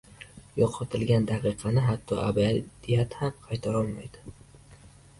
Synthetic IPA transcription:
jɒqʰɒt̪ʰɪlɡʲand̪aqɨqʰɑnɪɦat̪ʰːɒ̰ʔabad̪̥ijat̪hamqʰɑjt̪ʰaɾɒlˠma̰jd̪̥ɪ̥

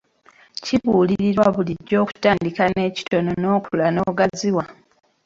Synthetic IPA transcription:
ciβuːliɾiɾwaβuliɟːo̞ːku̥taːndikane̞ːci̥to̞no̞no̞ːkulano̞ːɡaziwa

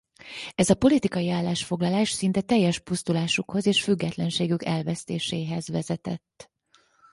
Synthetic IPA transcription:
ɛzɒpo̞lit̪ikɒjiaːlːaːʃfo̞ɡlɒlaːʃsint̪ɛt̪ɛjːɛʃpust̪ulaːʃukho̞zeːʃfyɡːɛt̪lɛnʃeːɡykɛlvɛst̪eːʃeːɦɛzʋɛzɛt̪ɛt̪ː

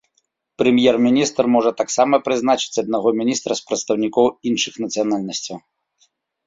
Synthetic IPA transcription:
pɾɛmʲjɛrmʲinʲist̪rmɔʐɐt̪aksamɐpɾɨznat͡ʂɨ̥t͡sʲɐd̪̚naɣɔmʲinʲist̪ɾɐspɾɐt̪st̪ɐwnʲikɔwinʂɨxnɐt̪sɨjanalʲnɐsʲt͡sʲɐw

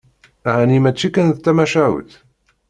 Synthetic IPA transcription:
æhænimæt͡ʃːikænðt̪ːæmæʃæwə̰θ

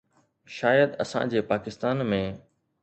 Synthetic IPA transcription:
ʃaːjəd̪ɐsã̰d͡ʑeːpaːkɪst̪aːnmẽ

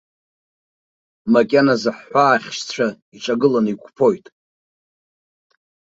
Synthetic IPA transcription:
makʲʼanazɨħːʷaːχʲʃt͡ɕʷʰa | iʈ͡ʂʷʼaɡɨlanikʷʰʼpʰo̞jtʼ

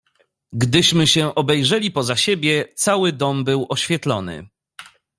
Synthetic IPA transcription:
ɡd̪ɘɕmɘɕɛʔɔbɛjʐɛlʲipɔzaɕebʲjɛt̪sawɘd̪ɔmbɘwʔɔɕfʲjɛt̪lɔnɘ̰

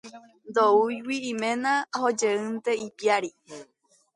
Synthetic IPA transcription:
nd̪oujwiːmẽnãhod͡ʒeɨnt̪eipiaɾi

